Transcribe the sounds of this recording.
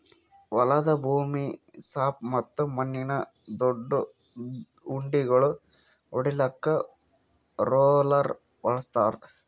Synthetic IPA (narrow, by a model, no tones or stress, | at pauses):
ʋɐlɐd̪ɐbʱuːmisaːp̚mɐt̪ːumɐnːinɐ | d̪oɖːu | uɳɖiɡɐɭu | oɽilɐkːɐ | ɾoːlɐɾ | ʋɐɭɐst̪aːɾ